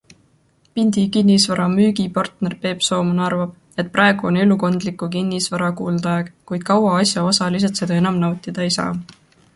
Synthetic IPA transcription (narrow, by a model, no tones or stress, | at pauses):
pinʲd̪̥ikinʲːisvɑɾɑmyːɡipɑrt̪ne̞rpe̞ːpso̞ːmunɑrvɑb̥̚ | e̞t̪̚prɑeɡ̥uone̞luko̞nd̪likːˑukinʲːisvɑɾɑkuːld̪̥ɑeɡ̥kujd̪̥̚kɑwɑɑsjɑosɑlis̬et̪se̞d̪ɑe̞nɑmnɑwt̪ʲˑid̪̥ɑejsɑ̰ː